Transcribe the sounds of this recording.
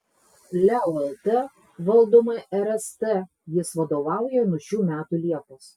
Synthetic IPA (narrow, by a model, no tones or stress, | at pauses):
lʲæʊɛlʲˠt̪ʲɛ | ʋɐlˠd̪oːmɐʔɛɾɛst̪ɛ | jɪsʋɐd̪oːʋɑˑʊjɛnʊɔʃʲuːmʲæːt̪uːlʲiɛpos